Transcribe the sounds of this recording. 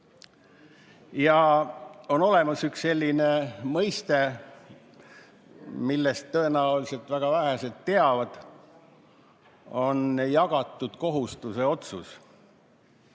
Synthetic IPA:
jɑ | o̞no̞le̞mɑsyksse̞lʲːine̞mɤjst̪e̞ | milːe̞st̪ːø̞e̞næulise̞lt̪ːˑvæɡ̥ɑvæɦese̞lt̪ːe̞ɑvɑd̪̥ | o̞njɑɡ̥ɑt̪ːˑud̪̥ko̞ɦust̪use̞o̞t̪sṵs

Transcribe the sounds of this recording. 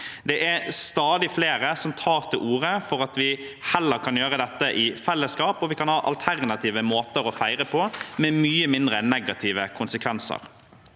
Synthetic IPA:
d̪ɛʔæɾst̪ɑːd̪ɪfleːɾəsɔmt̪ʰɑːɾt̪ʰɪlʔuːɾəfɔɾɑt̪ʋɪ | hɛlːəɾkʰɑnjøːɾəd̪ɛt̪ːəʔɪfɛlːəskɑːpɔʋɪkʰɑnhɑːʔɑ̰lt̪ʰæɾnɑt̪ʰiːʋəmoːt̪əɾɔfæɪɾəpʰɔmɛmyːəmɪnd̪ɾənɛɡɑt̪ʰiːʋəkʰʊnsəkʰʋɛnsə̰ɾ

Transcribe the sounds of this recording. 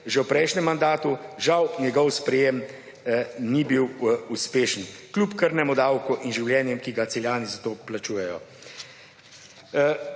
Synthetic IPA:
ʒɛwpɾɛjʃnɛmːand̪aːt̪uʒawnʲjɛɡɔwspɾɛjem | nibiwuspeːʃənklʲupkəɾnɛmɔd̪awkuʔinʒiwljɛːnjɛmkiɡat̪sɛljaːnizat̪oːplat͡ʃuːjɛjɔ

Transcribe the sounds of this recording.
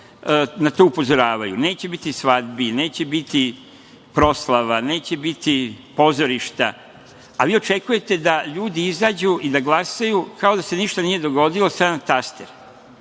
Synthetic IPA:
nat̪oːupo̞zo̞ɾaːʋajṵne̞ːt͡ɕe̞bit̪isʋad̪bine̞ːt͡ɕe̞bit̪i | pɾo̞slaʋane̞ːt͡ɕe̞bit̪ipo̞zo̞ɾiʃt̪a̰ | aʋiːo̞t͡ʃe̞kuje̞t̪e̞d̪aʎuːd̪iizaːd͡ʑuʔid̪aɡlˠasajukao̞d̪ase̞niʃt̪anijed̪o̞ɡo̞d̪ilo̞sad̪anat̪ast̪eɾ

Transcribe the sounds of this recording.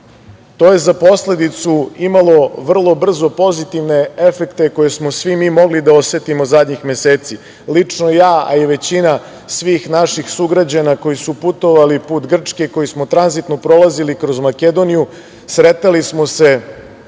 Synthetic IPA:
t̪o̞je̞zapo̞sle̞d̪it̪suimalˠo̞ʋr̩lˠo̞br̩zo̞po̞zit̪iʋne̞e̞fe̞kt̪e̞ko̞je̞smo̞sʋimiːmo̞ɡlid̪ao̞sʋet̪imozad̪ɲixme̞seːt̪si | lit͡ʂnojaːa̰jeʋe̞t͡ɕina | sʋiːxnaʃixsuɡɾad͡ʑanako̞jisuput̪o̞ʋalipuːt̪ɡr̩t͡ʂke̞ko̞jismo̞t̪ɾanzit̪no̞pɾo̞lazilikɾo̞zmake̞d̪o̞niju | sɾe̞t̪alismo̞se̞

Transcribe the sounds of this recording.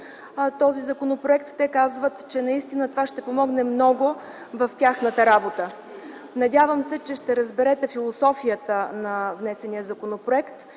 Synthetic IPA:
t̪ɔzizɐkonopɾoɛkt̪ːɛkazvət̪t͡ʃɛnɐist̪inət̪ovaʃt̪ɛpomɔɡnɛmnɔɡo | vɐft̪ʲaxnət̪əɾabot̪ə | nɐdʲavəmsɛt͡ʃɛʃt̪ɛɾəzbɛɾɛt̪ɛfilˠosɔfijət̪ənɐvnɛsɛnijəzɐkonopɾoɛkt̪

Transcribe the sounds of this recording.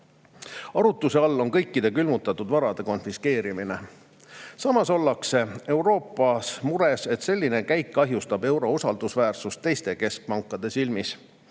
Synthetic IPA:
ɑɾut̪ːˑuse̞ɑlːo̞ŋkɤ̞jkːid̪̥e̞kylmut̪ːˑɑt̪ːˑud̪̥vɑɾɑd̪̥e̞ko̞nfiske̞ːɾimine̞ | sɑmɑso̞lːɑkse̞e̞uwɾo̞ːpːˑɑsmuɾe̞se̞t̪se̞lʲːine̞kæjkːɑɦjust̪ɑbe̞wɾo̞usɑld̪̥usvæːrsust̪ːe̞jst̪e̞ke̞sk̚pɑŋkːˑɑd̪̥e̞silmis

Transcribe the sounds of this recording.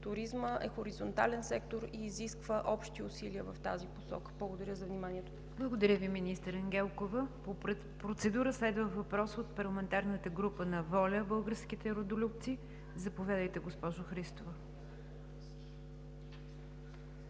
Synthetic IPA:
t̪ʊɾizməʔɛxoɾizont̪a̰lɛnsɛkt̪oɾiːziskvəʔɔpʃt̪iʊsiliəvɐft̪a̰ziposɔ̰kə̥blˠəɡod̪ɐɾʲəzɐvnimanʲiɛt̪o | blˠəɡod̪ɐɾʲjəviminist̪əɾɛŋɡʲɛlˠkovəpop̪ | pɾot̪sɛd̪uɾəslɛd̪vəvɐpɾɔsot̪pɐɾlˠəmɛnt̪aɾnət̪əɡɾupənɐvɔlʲəbɤlˠɡəɾsk̟it̪ɛɾod̪olʲupt̪si | zɐpovʲjad̪əjt̪ɛɡospɔʒʊxɾist̪ovə

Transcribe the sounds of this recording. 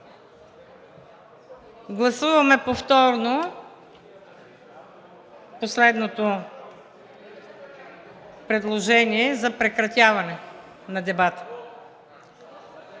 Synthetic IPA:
ɡlˠɐsuvɐmɛpoft̪ɔɾno | poslɛd̪not̪o | pɾɛd̪lˠoʒɛniɛzɐpɾɛkɾɐt̪ʲjavɐnɛ | nɐd̪ɛbat̪ə̥

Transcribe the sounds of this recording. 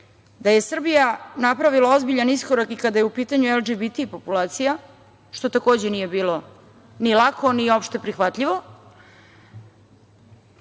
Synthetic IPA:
d̪aje̞sr̩bijanapɾaʋilˠao̞zbiʎaniskoɾakikad̪ajeupiːt̪aɲueld͡ʒibit̪ipo̞pulaːt̪sija | ʃt̪o̞t̪ako̞ːd͡ʑenije̞biːlo̞ | nilˠakʰo̞niopʃt̪e̞pɾixʋat̪ʎiʋo̞

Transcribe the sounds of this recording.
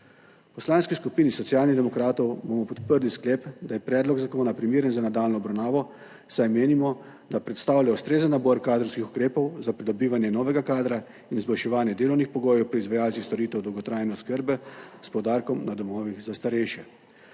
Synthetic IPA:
pɔslaːnskiskupiːnisɔt̪siaːlniɣd̪ɛmɔkɾaːt̪ɔwbomɔpɔt̪pəɾlisklɛːpd̪ajɛpɾɛːd̪lɔɡzakoːnapɾimiːɾənzanad̪aːlnɔɔbɾawnaːʋɔ | sajmeːnimɔ | d̪apɾɛt̪st̪aːwljaust̪ɾeːzənːabɔɾkaːd̪ɾɔwskixu̥kɾeːpɔwzapɾid̪ɔbiːʋanjɛnɔːʋɛɡakaːd̪ɾa | inzbɔjʃɛʋaːnjɛd̪eːlɔwnixpɔɡoːjɛwpɾɔizʋajaːlt̪sist̪ɔɾiːt̪ɛwd̪ɔwɡɔt̪ɾaːjnɛɔskəɾbɛspɔwd̪aːɾkɔmnad̪ɔmɔːʋiɣzast̪aɾɛjʃjɛ

